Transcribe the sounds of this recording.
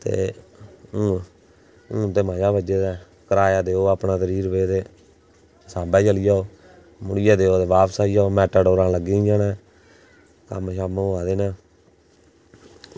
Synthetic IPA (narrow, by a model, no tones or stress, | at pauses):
t̪ḛː | ũː | ũːt̪eːmãːd͡ʒaːbəd͡ʒeːd̪ɛː | kəɾaːjaːd̪eːoːaːpnaːzəɾiːɾbeːt̪eː | saːbɛːt͡ʃəlɪjaːoː | mʊɽɪjaːd̪eːoːt̪eːʋaːpsaːijaːoːmɛːʈəːɖoːɾãːləɡĩːd͡ʒaːnaː | kə̰mʃaːmõaːd̪eːnãː